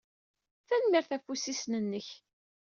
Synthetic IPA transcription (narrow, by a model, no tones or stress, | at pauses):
θænmiɾθæfusisnənːəç